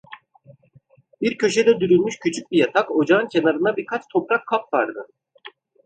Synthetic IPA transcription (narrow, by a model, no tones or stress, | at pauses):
biɾcʰø̞ʃed̪ɛd̪yɾynmyʃcʰyt͡ʃʰyc̚ʲbijat̪ʰako̞d͡ʒaɯncʰe̞naɾɯnabiɾkʰat͡ʃt̪ʰo̞pɾakʰːapvaɾd̪ɯ